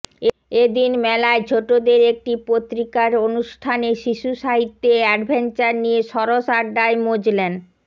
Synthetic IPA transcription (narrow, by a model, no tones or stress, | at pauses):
e | ed̪inmɛlaet͡ɕʰoʈod̪eɾek̚ʈipot̪ːɾikaɾonuʃʈʰaneʃiʃuʃaɦit̪ːeɛɖbʱent͡ɕaɾnijeʃɔɾoʃaɖaemod͡ʑlen